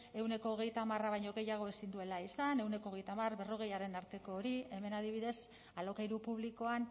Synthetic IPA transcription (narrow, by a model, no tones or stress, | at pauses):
e̞wne̞ko̞ːɣ̞e̞jt̪aːmaraβ̞ajɲo̞ɣe̞jaɣ̞o̞esind̪ue̞laisane̞wne̞ko̞ːɣe̞jt̪amarβe̞ro̞ɣ̞e̞jaɾe̞naɾt̪e̞ko̞ːɾie̞me̞naðiβ̞iðe̞s | alo̞kajɾupuβliko̞an